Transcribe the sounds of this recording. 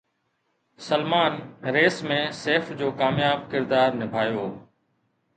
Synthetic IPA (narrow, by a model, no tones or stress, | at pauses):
səlmaːnɾeːsmẽːseːfd͡ʑoːkaːmjaːb̚kɪɾd̪aːɾnɪbʱaːjoː